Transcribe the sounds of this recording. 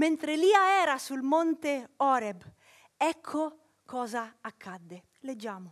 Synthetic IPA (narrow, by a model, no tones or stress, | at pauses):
ment̪ɾeliːaɛːɾasulmont̪eɔːɾeb | ɛkʰːo | kʰɔːzaːkʰːad̪ːe | led͡ʒːaːmo